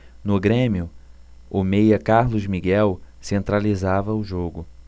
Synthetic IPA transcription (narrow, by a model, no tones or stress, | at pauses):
nʊɡɾẽmiʊomejɐkaɾlʊzmiɡɛwsẽnt̪ɾalizavɐʊʒoɡʊ